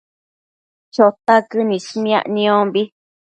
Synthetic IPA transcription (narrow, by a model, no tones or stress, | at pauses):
t͡ʃot̪akɨnĩʃmĩã̰ʔnĩõmbi